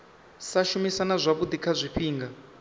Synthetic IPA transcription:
saʃumisanazʷaβud̪ikʰazʷiɸiːŋɡa

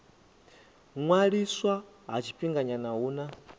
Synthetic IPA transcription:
ŋwaɺiswa | ɦa̰t͡ʃʰi̥ɸiŋɡaɲanaɦuːna

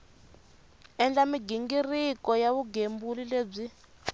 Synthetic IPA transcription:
ɛnd͡ɮamiɡiŋɡirikɔjaβuɡembulileːb͡ʐi

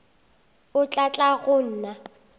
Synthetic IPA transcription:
ʊt͡ɬʼat͡ɬʼaɣʊn̩ːna

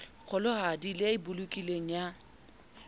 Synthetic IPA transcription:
k͡xʊlʊhadilɪaɪbʊlukʼileŋ̩ja

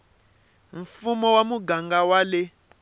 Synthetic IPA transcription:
ɱ̩fumɔwamuɡaŋɡawale

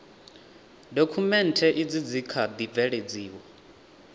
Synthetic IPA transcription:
dokʰumɛntʰɛʔid͡zid͡zikʰad̪ib̪vɛɺed͡ziːwɔ

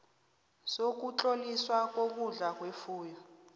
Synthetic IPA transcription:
sok̬ut͡ɬoliswak̬ok̬uɮak̬wefuːjɔ

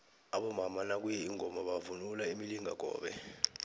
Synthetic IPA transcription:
aɓɔmamanak̬ujɛiŋʱɔmaɓavunulaimiliŋʱa̰k̬ɔ̰ːɓɛ

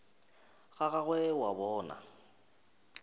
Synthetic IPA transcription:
ɣaɣaɣwɛwabɔːna̰

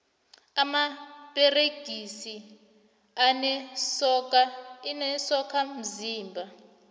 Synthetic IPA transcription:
amapʼɛreɡ̥ʱisi | anɛsɔkainɛsɔkʰam̩ziːmbʱa

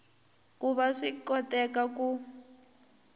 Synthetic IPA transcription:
kuβaʂikɔtɛkaku

